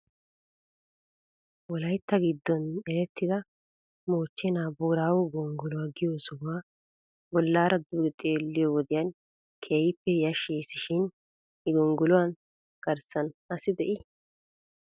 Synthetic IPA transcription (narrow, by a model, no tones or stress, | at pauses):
wɔlɐjt̪ːɐɡɪd̪ːɔnɛɾɛt̪ːɪd̪ɐ | moːt͡ʃːɛnaːboːɾaːwʊɡɔŋɡʊlʊwaːɡɪjoːsʊwaː | bɔlːaːɾɐd̪uːɡɛt̪ʼe̞ːlːɪjɔwɔd̪ɪjɐn | kʰeːjɪpːɛjɐʃeːsɪʃɪn | ɪɡɔŋɡʊlʊwan | ɡ̥ɐɾsɐnɐsɪd̪ɛʔɪ